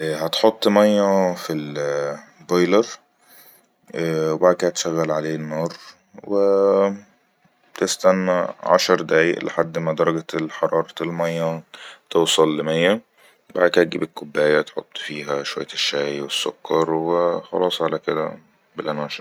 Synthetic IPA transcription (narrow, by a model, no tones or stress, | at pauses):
ʔɦæt̪ħot̪ˤːmæjːæfil | bɑjlɑɾˤ | webaʕd̪̚kæht̪ʃæɣːælʕaleːnːɑːɾˤ | we | t̪est̪ænːæʕa̰ʃɑɾˤd̪æːjḛʔleħad̪ːmæd̪ɑɾˤɑɡælħɑɾˤʔɑːɾˤɑelmæjːæt̪owsˤɑlːemæjːæ | baʕd̪kæɡḭːbekːobːæːjæt̪ħo̰t̪ˤːfiːɦæʃowæjːæʃːæːjwesːokʰːɑɾˤwexɑ̰lɑːsˤʕalæked̪æ̰ | belʔænæːʃeɾ